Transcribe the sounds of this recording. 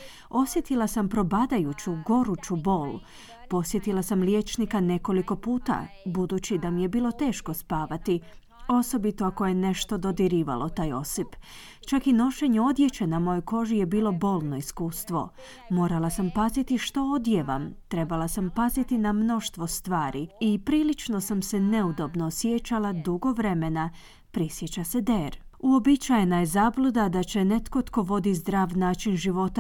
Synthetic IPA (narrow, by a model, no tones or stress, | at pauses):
o̞sje̞t̪ilˠasampɾo̞bad̪ajut͡ɕuɡo̞ɾut͡ɕubo̞ːl | po̞sje̞t̪ilˠasamlje̞ːt͡ʃnikane̞ko̞liko̞puːt̪a̰bud̪ut͡ɕid̪amije̞biːlˠo̞t̪e̞ːʃko̞spaːʋat̪i | o̞so̞bit̪oakoje̞ne̞ʃt̪o̞d̪o̞d̪iɾiːʋa̰lʔo̞t̪aːjo̞sip | t͡ʃakino̞ʃe̞ɲeo̞d̪je̞t͡ɕe̞namo̞ːjojko̞ʒije̞biːlo̞bo̞ːlˠno̞iskuːst̪ʋo̞̰ | mo̞ːɾalˠasampazit̪iʃt̪o̞od̪jeʋa̰mt̪ɾe̞balˠasampazit̪inamno̞ʃt̪ʋo̞st̪ʋaːɾiipɾiːlit͡ʃno̞samsene̞ud̪o̞bnosjet͡ɕalˠad̪uɡo̞ʋɾe̞mena | pɾisjet͡ɕased̪eːɾuo̞bit͡ɕajenaje̞zablˠud̪ad̪at͡ɕe̞ne̞t̪ko̞t̪ko̞ʋo̞d̪izd̪ɾaːʋnaːt͡ʃinʒiʋo̞t̪a